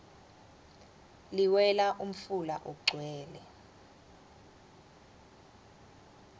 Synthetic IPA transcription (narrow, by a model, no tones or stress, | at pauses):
liwɛlaʔum̩fulaʔok̬uɡ͡ǀʱwɛːlɛ